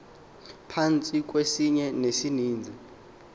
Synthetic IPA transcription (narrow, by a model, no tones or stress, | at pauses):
pʰant͡sʼik̬ʼwesiɲɛnesiniːnd͡zʱi